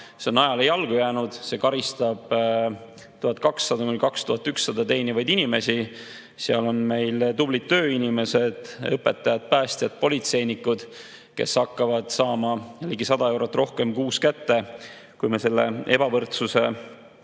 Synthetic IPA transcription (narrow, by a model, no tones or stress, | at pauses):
se̞onɑjɑle̞jɑlɡ̥ujæːnud̪̥se̞ːkɑɾist̪ɑb̥ | t̪uhɑt̪̚ːˑkɑksːɑd̪ɑmelkɑkst̪uɦɑt̪ːˑyksːɑd̪̥ɑt̪e̞jnivɑjd̪inime̞si | seɑ̰lo̞nme̞jlt̪ublit̪ːø̞ːinʲime̞se̞d̪̥ɤpːe̞t̪ːˑɑjɑd̪̥̚pæːst̪jɑd̪̚po̞lʲit̪se̞jnikːˑud̪̥ | ke̞̰sːɑkːɑvɑd̪̥sɑːmɑliɡisɑd̪ɑe̞wɾɑt̪ːˑro̞hke̞mkuːskæt̪ːe̞ | kujmese̞lːe̞̰e̞b̥ɑvɤrt̪suse̞